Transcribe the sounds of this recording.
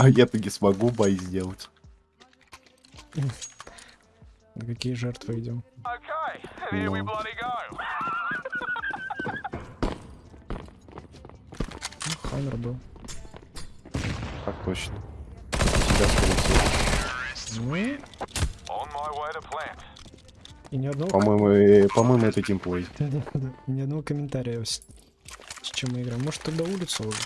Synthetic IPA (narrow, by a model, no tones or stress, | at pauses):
ɐjat̪əɡʲɪsmɐɡubajzʲdʲe̞lˠətʲ | nəkɐkʲijəʐɛrt̪vɨɪdʲomoʊkʰeɪnolʌɾiɡaɪ | uxanərd̪o | k̪ak̚t̪ot͡ɕnə | sʲɪbʲask̪əlʲɪsʲe | sʲnʲmɨ | ɔ̃nmaɪwaɪɾəflæ̃n | ɪnʲɪɐd̪nvoɐmojmʊpɐmojmʊɛt̪ɐkʲimplˠojʲɪd̪ad̪ad̪anʲɪɐd̪nɐvokəmʲɪnt̪aɾʲɪjəs | st͡ɕɪmːɨɪɡɾaɪmoʐ̥t̪ːʊkd̪aulʲɪt̪sɨoʐ